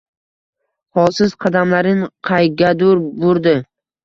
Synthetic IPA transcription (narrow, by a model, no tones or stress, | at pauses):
hɒsɪzqʰɑd̪amlaɾɪnqʰɑjɡʲad̪ʊɾbʊɾd̪ɪ